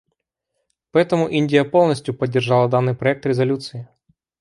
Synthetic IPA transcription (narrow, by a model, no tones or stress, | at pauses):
pɐɛt̪ɐmʊʔinʲdʲijɐpɔlˠnɐsʲtʲjʊpɐdʲːerʒɑlˠɐd̪anːɪjpɾɔɛk̚t̪ɾʲɛzɐlʲut̪sɨji